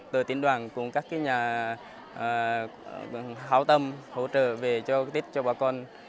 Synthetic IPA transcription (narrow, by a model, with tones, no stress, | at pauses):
t̪əː˨˩t̪i˧ənɗwaː˨˩nkʊ̰˧˩ŋ͡mkaː˦˥kːaː˨˦jɲaː˨˩˨ | haː˨˦wt̪ə˧mho̰˧˥t͡ɕə̰ː˧˨ve˨˩t͡ɕɔ˧t̪ʰi˦˥k̟̚t͡ɕɔ˧ɓaː˧˩kɔ˧n